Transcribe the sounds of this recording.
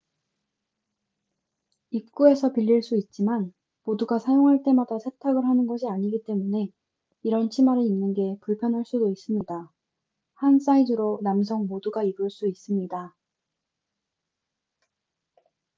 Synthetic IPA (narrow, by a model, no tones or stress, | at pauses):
ip̚k͈ue̞sʰʌpiʎːiɭs͈uit̚t͡ɕ͈iman | moduɡasʰajoŋɦaɭt͈e̞madasʰe̞tʰaɡɯɭɦanɯnɡʌɕʰiaɲiɡit͈e̞mune̞ | iɾʌnt͡ɕʰimaɾɯinːɯnɡe̞puɭpʰjʌnɦaɭs͈udois͈ɯmɲida | hans͈aidɯɾonams̬ʰʌŋmoduɡaiɡuɭs͈uis͈ɯmɲida